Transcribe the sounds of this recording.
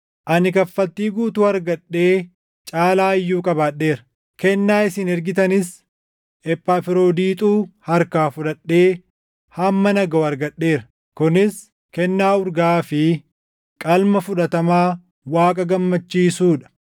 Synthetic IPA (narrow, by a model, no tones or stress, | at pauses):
ʔɐnɪkɐfːɐt̪ːiːɡuːt̪uːɐɾɡɐɗːe̞ː | t͡ʃʼaːlaːɪjːuːkʼɐbaːᶑːe̞ːɾɐ̥ | kɛnːaːɪsɪnɛɾɡɪt̪ɐnɪs | ʔɛpːaːfɪɾoːd̪iːt̪ʼuːhɐɾkaːfʊᶑɐᶑːe̞ː | hɐmːɐnɐɡɐoːɐɾɡɐɗːe̞ːɾɐ̥ | kʊnɪs | kɛnːaːʊɾɡaːfɪ | kʼɐlmɐfʊᶑɐt̪ɐmaː | waːkʼɐɡɐmːɐt͡ʃːiːsuːᶑɐ̥